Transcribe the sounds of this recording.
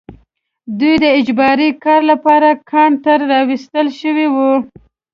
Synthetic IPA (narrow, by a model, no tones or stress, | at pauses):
d̪ujd̪əɪd͡ʒbɑɾikɑɾlapɑɾakʰɑɳt̪əɾːɑwist̪əlʃəwiwu